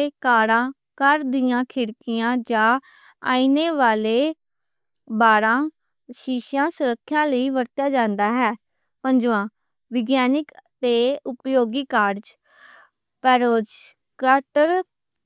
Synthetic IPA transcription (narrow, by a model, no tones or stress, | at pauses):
kaːɾãː | kəɾd̪ɪjãːkʰɪɽkɪjãːd͡ʒãː | a̰ːiːneːʋaːleː | baːɾãː | ʃiːʃjãːsʊɾəkʰːjãːləiːʋəɾt̪jaːd͡ʒãːnd̪aːɦɛː | pə̃ɲd͡ʒʋãː | ʋɪɡjaːnɪkt̪eːʊpjoːɡiːkaːɾd͡ʒ | pɛːɾoːd͡ʒ | kəʈəɾ